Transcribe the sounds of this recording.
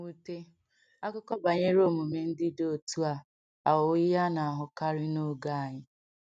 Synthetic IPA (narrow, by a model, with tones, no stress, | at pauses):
u˦te˦ | a˦kʊ˦kɔ˦ba˨ɲe˦ɾo˦˨mu˨me˨n̩˦dɪ˦do˦˨tu˦a˨ | a˨wʊ˨ɪ˦ja˦na˨a˨ɦʊ˨ka˦ɾɪ˦no˦ɡa˦a˨ɲɪ˦